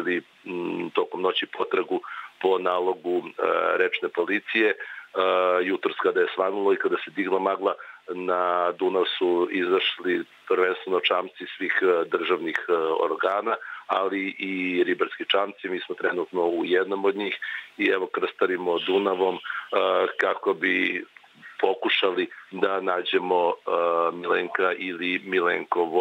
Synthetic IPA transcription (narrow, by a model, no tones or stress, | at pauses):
ili | t̪o̞komno̞t͡ɕipot̪ɾaɡupo̞naːlˠo̞ɡuɾet͡ʃnepo̞lit̪sije̞ | jut̪ɾoskad̪aje̞sʋanulˠoikad̪ased̪iɡlˠamaɡlˠanad̪unaʋsuizaʃli | pɾʋenst̪ʋenot͡ʃaːmt̪sisʋiːxd̪r̩ʒaʋnixo̰ɾɡaːnaaliʔiɾibaɾskit͡ʂamt̪simiːsmot̪ɾenut̪no̞ujed̪nomod̪ɲiːxiɛʋo̞kr̩st̪aɾimod̪unaʋo̞m | kako̞bi | po̞kuʃalid̪anaːd͡ʑemo̞mileŋkailimileŋkoʋ